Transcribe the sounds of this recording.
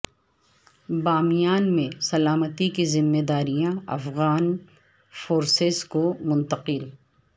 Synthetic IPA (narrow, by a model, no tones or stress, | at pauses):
baːmijaːnmẽsɐlaːmət̪ikizɪmːeːd̪aːɾijãɐ̰fɣaːn | foːɾseskomʊ̃nt̪əqɪl